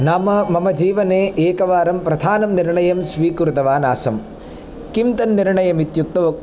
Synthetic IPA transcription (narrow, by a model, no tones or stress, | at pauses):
naːmɐmɐmɐd͡ʒiːʋɐneːʔeːkɐʋaːɾɐmpɾɐd̪ʱaːnɐmniɾɳɐjɐmsʋiːkuɾut̪ɐʋaːnaːsɐm | kimt̪ɐnːiɾɳɐjɐmit̪juk̚t̪ɐʋo